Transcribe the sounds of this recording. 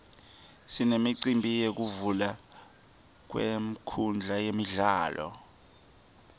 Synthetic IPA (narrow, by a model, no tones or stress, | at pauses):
sinemiǀimbʱijek̬uvula | k̬wḛm̩kʰund͡ɮʱajemiɮaːlɔ̰